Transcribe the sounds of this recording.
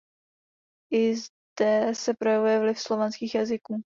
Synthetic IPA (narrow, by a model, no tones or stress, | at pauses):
ʔɪz | d̥ɛsɛpɾojɛvujɛvlɪfslo̞vɛnskiːxjazɪkuː